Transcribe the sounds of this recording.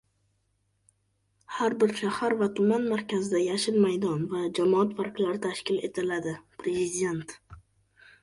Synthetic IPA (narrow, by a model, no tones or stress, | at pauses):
haɾbɪɾʃahaɾvat̪ʰʊmanmaɾkʲʰazɪd̪ajaʃɪnmajd̪ɒnvad͡ʒamɒat̪faɾklaɾɪt̪ʰaʃkʲɪle̞̰t̪ʰɪlad̪ɪpɾe̞zɪd̪ʲe̞nt̪